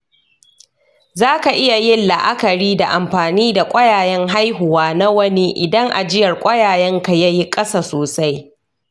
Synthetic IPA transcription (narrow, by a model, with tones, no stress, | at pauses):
zaː˦ka˨ʔɪ˦ja˨jɪ˦nlɐ˨ʔa˦kɐ˨ɾiː˦da˨ʔa˨mɸaː˨niː˦da˨kʷʼɐ˦jaː˨jɛ˦ŋɦa˦jɦʊ˨waː˦na˦wɐ˦ni˦ʔɪ˨dɐ˦ŋʔa̰˨d͡ʒɪ˦jɐ˨rkʷʼɐ˦jaː˨jɛ˦ŋka˨ja˦ji˦kʼɐ˦saː˨soː˨sa˦j